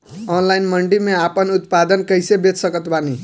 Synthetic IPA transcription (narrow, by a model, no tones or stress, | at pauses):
onlajnmʌɳɖimeapʌnut̪̚pad̪ənkʌjsebet̪sʌkʌt̪bani